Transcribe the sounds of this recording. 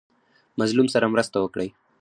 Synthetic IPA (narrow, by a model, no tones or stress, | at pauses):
mɐzlumsɐɾamɾəst̪awəkɽəj